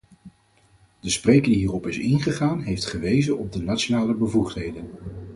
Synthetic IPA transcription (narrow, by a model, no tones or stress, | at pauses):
d̥əsprejkədiɦiːrɔpɪsɪnχəχaːnɦejftχəʋejzənɔb̚dənat͡ʃonaːləbəvuχtɦejdən